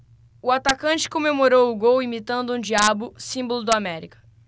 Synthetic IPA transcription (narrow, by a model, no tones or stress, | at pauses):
ʊat̪akɐ̃t͡ʃɪ̥kõmemoɾowʊɡowimit̪ɐ̃nd̪ʊũd͡ʒiabʊsĩbolʊd̪ʊamɛɾikɐ̥